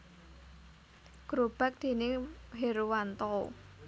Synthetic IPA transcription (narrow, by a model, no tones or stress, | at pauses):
ɡ̥ɾob̥a̤k̚d̪̥e̤nɪɦeɾuwant̪ɔ